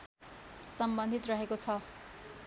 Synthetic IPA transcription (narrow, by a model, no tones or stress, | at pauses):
sʌmbʌnd̪ʱit̪rʌɦekot͡sʰʌ